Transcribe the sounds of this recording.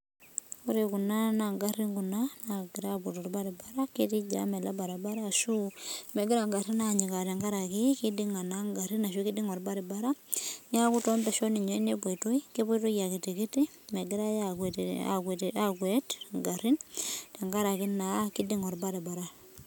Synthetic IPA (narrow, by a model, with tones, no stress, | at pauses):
koɾe˨ku˨na˦na˨ŋɡa˦ɾi˦ŋɡu˨nana˨ɡi˨ɾa˦bu˨tɔ˨ɾba˦ɾi˨ba˦ɾa˦ki˦ti˦d͡ʒa̰˦mɛ˨la˦ba˨ɾa˨ba˦ɾaː˦˨ʃu˦mɛ˨ɡɪ˦ɾa˨ŋɡa˨ɾi˦na˨ɲi˨ka˨tɛ˨ŋɡa˦ɾa˨ki˦ki˦di˦ŋa˨na˦ŋɡa˨ɾi˦na˨ʃu˦ki˦di˦ŋɔ˨ɾba˦ɾi˨ba˦ɾa˦ɲ˦a˦ku˦tɔ˦mba˨ʃɔ˦ni˨ɲɔ˦i˦ne˦bɔ˨i˨to˦i˦ke˦bu˦to˦ja˨ki˨ti˨ki˦ti˦ | mɛ˨ɡɪ˦ɾa˦jakwa̰wtakwetŋɡa˨ɾi˦ntɛ˨ŋɡa˦ɾa˨ki˦na˨ki˦di˦ŋɔ˨ɾbaɾɛ˨ba˨ɾa˨